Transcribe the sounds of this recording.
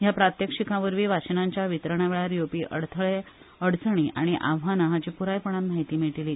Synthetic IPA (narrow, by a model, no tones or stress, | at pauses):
japɾat̪jəkʂikãʋəɾʋiːʋat͡ɕənaɲt͡ɕjaʋit̪ɾəɳaʋeɭaɾjopiːʔə̰ɽt̪ʰəɭe | əɽt͡səɳ̃iːʔa̰ɽ̃iʔa̰ʋɦanəɦat͡ɕipuɾajpəɳ̃anmaɦit̪iːmiʈiliː